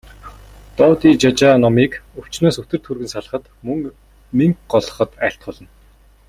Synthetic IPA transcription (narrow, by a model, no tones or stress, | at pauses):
t̪ɔːt̪iːt͡ɕat͡ɕaːnɔmiːkɵw̥t͡ɕnoːsɵt̪ɘ̆rt̪ʰurɣɘ̆nsaɮə̆χə̆t̪ | mɵŋ | miŋkɢɔɮɞ̆χə̆t̪æɬt̪̚ɢɔɮɞ̆n